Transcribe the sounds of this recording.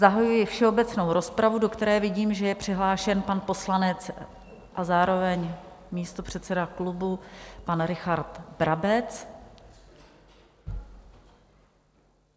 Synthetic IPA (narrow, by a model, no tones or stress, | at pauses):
zaɦajujɪfʃɛo̞bɛt͡sno̞wɾo̞spɾavudo̞kt̪ɛɾɛːvɪɟiːmʒɛjɛpr̝̥ɪɦlaːʃɛnpanpo̞slanɛt͡s | ʔazaːɾo̞vɛɲmiːst̪o̞pr̝̥ɛt̪t͡sɛdaklubupanɾɪxaɾt̪bɾʔabɛt͡s